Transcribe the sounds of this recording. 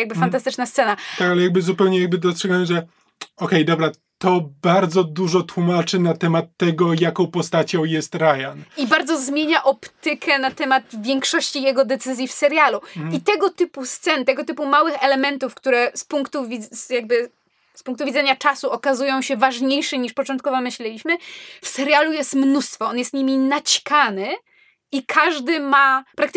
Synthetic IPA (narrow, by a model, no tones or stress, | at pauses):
jaɡ̚bɘfant̪̬ast̪ɘt͡ʂnast̪sɛnat̪akalɛjaɡ̚bɘzupɛwɲɛjaɡ̚bɘd̪ɔstʂɛɡawɛmʐɛ | ɔkɛjd̪ɔbɾa | t̪ɔbaɾd̪zɔd̪uʐɔt̪wumat͡ʂɘnat̪ɛmat̪ːɛɡɔjakɔ̃w̃pɔst̪at͡ɕɔ̃w̃jɛst̪ɾajanibaɾd̪zɔzmʲjeɲaʔɔpt̪ɘkʰɛnat̪ɛmad̪vʲjɛŋkʂɔɕt͡ɕijɛɡɔd̪ɛt̪sɘzʲjifsɛɾjaluit̪ɛɡɔt̪ɘpust̪sɛnt̪ɛɡɔt̪ɘpumawɘxɛlɛmɛnt̪ufkt̪uɾɛspuŋkt̪uvʲizjaɡ̚bɘ | spuŋk̚t̪uvʲidzɛɲat͡ʂasuɔkazujɔ̃w̃ɕɛvaʐɲejʂɛɲiʂpɔt͡ʂɔnt̪kɔvɔmɘɕlɛlʲiɕmɘfsɛɾʲjalujɛst̪mnust̪fɔɔnjɛst̪ɲimʲinat͡ɕi̥kanɘ | ikʰaʐd̪ɘmapɾak̚t̪